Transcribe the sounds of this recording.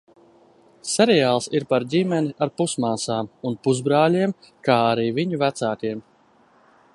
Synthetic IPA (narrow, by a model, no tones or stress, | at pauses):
sɛɾɛjaːlˠsiɾpaɾdʲimɛniʔaɾpusmaːsaːmunpuzbɾaːlʲiɛm | kaːaɾiːviɲuvæt̪saːkiɛm